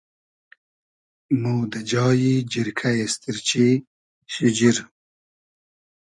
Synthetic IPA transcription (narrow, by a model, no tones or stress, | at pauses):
muːd̪ad͡ʒɑːjid͡ʒiɾkʰajɐst̪iɾt͡ɕi | ʃid͡ʑiɾ